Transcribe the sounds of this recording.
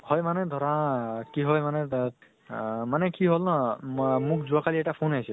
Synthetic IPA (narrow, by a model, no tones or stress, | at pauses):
hɔjmaned̪ʱɔɾãkiɦɔjmane | manekiɦolnɔmukʰd͡zuakaliekʈapʰonajsʰe